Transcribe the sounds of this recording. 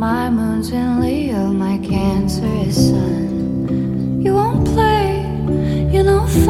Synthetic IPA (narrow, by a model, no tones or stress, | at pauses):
maɪmũʊ̃nzɨ̃nli | lmaɪkʰæ̃nsə˞ɨz̥sʌ̃n | jɨwõʊ̃npʰl̥eɪ | jɨnoʊ̃f